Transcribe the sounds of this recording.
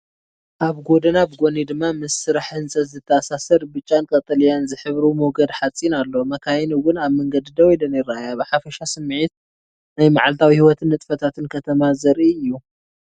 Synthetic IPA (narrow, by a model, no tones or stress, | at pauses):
ʔaβɡo̞d̪ɐnaβɡo̞nid̪ɨmːamɨsːɨɾaħɨnsʼɐzɨt̪ʰːɐːsasɐɾbɨt͡ʃʼːankʼɐt̪ʼɐlijanzɨħɨβɾumoɡɐd̪ħat͡sʼinalːo̞mɐkʰajɛnuwʊnaβmɐŋɡɐd̪id̪ɐwijlɐnɪɾajabɨħafɐʃasɨmːʕit̪̚ | najmaʕalt̪ʰawihiwɔt̪ʰɨnːɨt̪ʼfɐt̪ʰat̪ɨnkʰɐt̪ʰɐmazɐɾʔiɨjːu